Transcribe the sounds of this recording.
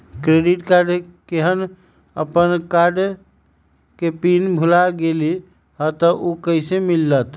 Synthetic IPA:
kɾeɖiʈkaɾɖkeɦən | ə̰pənkaɾɖ | kepinbʱulaɡeli | ɦət̪əʔokəɪsemilːət̪

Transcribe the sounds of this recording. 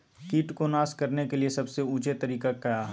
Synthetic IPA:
kiːʈkonaːskɐɾnekeliesɐbseuːt͡ʃet̪ɐɾiːkakɐaː

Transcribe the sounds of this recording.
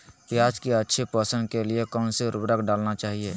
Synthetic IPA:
pjaːd͡ʒkiətːʃʰepəsə̃nkeliekɔːnseɾubɾəkɖaːlnat͡ʃaːɦie

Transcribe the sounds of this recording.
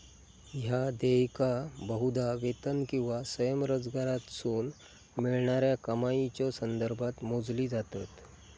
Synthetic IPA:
ɦjad̪ejkabəɦud̪aʋet̪ənkĩw̃ʋasəjəmɾod͡zɡaɾat̪suːn | miɭɳaɾjakəmait͡ɕjɔsənd̪əɾbʱat̪mod͡zliːd͡zat̪at̪

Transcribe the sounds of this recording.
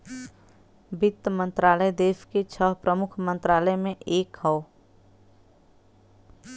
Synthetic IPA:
bɪt̪ːmə̃nt̪ɾaːləjd̪eːsket͡ʃʰəɦpɾəmʊkʰmə̃nt̪ɾaːləjmẽʔeːkɦɔo

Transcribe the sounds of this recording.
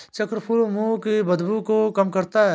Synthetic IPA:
t͡ʃɐkɾəpʰulmuːkebɐd̪bukokɐmkɐɾt̪aɦɛ

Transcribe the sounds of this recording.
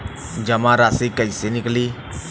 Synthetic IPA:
d͡ʒɐmãːɾaːsikəisenɪkliː

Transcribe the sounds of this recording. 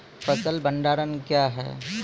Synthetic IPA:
pəsəlbə̃ɳɖaːɾənkjaːɦɛ̰ː

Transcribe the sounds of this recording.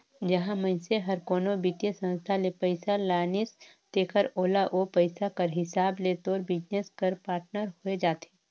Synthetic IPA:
d͡ʒɐɦãmə̃jseɦɐɾkoːnobit̪jesə̃nst̪ʰalepəɪsalaːnɪs | t̪eːkəɾoːlaʔopəɪsakəɾɦɪsaːbleːt̪oːɾbɪd͡ʒneskəɾpaːɾʈnəɾɦoed͡ʒaːt̪eː

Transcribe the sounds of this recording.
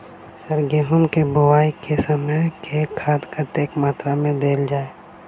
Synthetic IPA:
səɾɡeːɦʊmkebʊwaːikesəməjkʰekʰaːd̪kəɾt̪eːkmaːt̪ɾamẽd̪eːld͡ʒaːeː

